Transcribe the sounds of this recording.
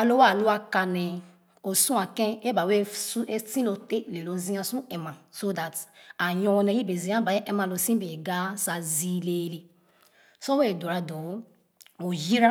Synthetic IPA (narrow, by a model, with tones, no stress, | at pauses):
a˨lo˦wa˦˨lo˦a˦ka˨ne˨ | o˨sũ˦a˨kɛ̃˦e˦ba˨we˦su˦e˦sĩ˦lo˨te˦le˨lo˨zĩ˦ã˦sũ˦ɛ˨mã˨so˦da˨ta˨jɔ˦ne˨ji˦be˨zĩ˨˦ã˦ba˨e˦ʔɛ˦mã˨lo˨sĩ˦be˨ɡa˦sa˨zi˦le˦le˨ | so˦we˦˨do˨ɾa˨do˨˦ | o˨ji˦ɾa˦